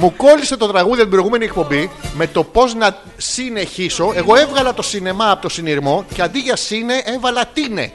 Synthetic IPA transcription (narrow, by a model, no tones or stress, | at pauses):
muko̞lise̞t̪o̞t̪ɾɐɣuðioibɾo̞iɣume̞niek̚po̞bime̞t̪o̞po̞znɐ | sine̞çiso̞e̞ɣo̞e̞vɣɐlɐt̪o̞sine̞mɐːpo̞t̪o̞siniɾmo̞ce̞ɐnd̪iʝɐsine̞ʔe̞vɐlɐt̪ine̞̰